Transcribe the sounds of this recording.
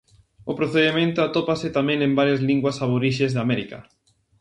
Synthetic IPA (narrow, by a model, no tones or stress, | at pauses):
ʊpɾoθeðemẽnt̪ʊat̪opasɪt̪amɛ̃ŋẽmbaɾjazliŋɡwasaβoɾiʃezðamɛɾikɐ̰